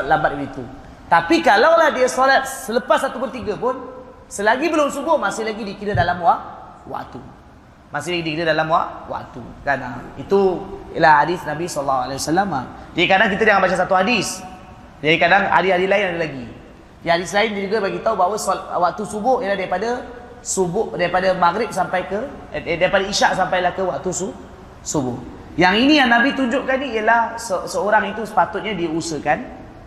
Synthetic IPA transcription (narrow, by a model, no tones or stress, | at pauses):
t̪̚lambat̪̚it̪u | t̪apikalawlahdiəsolat̪̚sələpasːat̪upərt̪iɡəpʊn | səlaɡibəlʊmsuɡʊhmasɪhlaɡidikidədalamwaʔ | wa̰ʔt̪u | masɪhlaɡidikidədalamwa̰ʔwa̰ʔt̪ṵkana̰it̪ujə̰lahhadisnabisɔlːaɦualawasalːama̰d͡ʒadikadaŋkit̪ədaŋanbat͡ʃas̬at̪uɦadis | d͡ʒadikadaŋa̰dishadislaɪnadalaɡi | jaɦadislaɪndud͡ʒuɡabaɡit̪aubaɦwəswaʔt̪usubʊhijəlahdaɾipada | subʊdaɾipadamaɡɾɪp̚sampajkə | daɾipadaiʃaʔsampajlahkəwaʔt̪usu | subʊh | jaŋinĩjaŋnabit̪uɲd͡ʒʊʔkaniijəlahsəsəoɾaŋit̪usə̥pat̪ʊt̪̚ɲadiusəkan